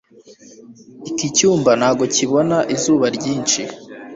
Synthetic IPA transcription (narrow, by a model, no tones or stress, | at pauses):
ikicuːmbanaːɡo̞ciβonaʔizuːβaɾɟiːnt͡ʃi